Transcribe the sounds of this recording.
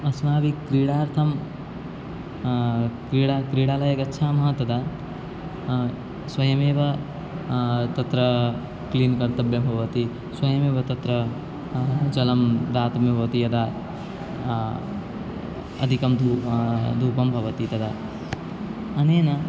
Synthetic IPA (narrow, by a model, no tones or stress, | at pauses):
ɐsmaːʋikɾiːɽaːɾt̪ʰɐm | kɾiːɽaːkɾiːɽaːlɐjɐkɐtːʃʰaːmɐɦɐt̪ɐd̪aː | swɐjɐmeːʋɐ | t̪ɐt̪ɾɐ | kliːnkɐɾt̪ɐbjɐmbʱɐʋɐt̪i | swɐjɐmeːʋɐt̪ɐt̪ɾɐ | d͡ʒɐlɐmd̪aːt̪ɐmebʱɐʋt̪ijɐd̪aː | ɐ̰d̪ʱikɐmd̪ʱud̪ʱuːpɐmbʱɐʋɐt̪it̪ɐd̪aː | ɐneːnɐ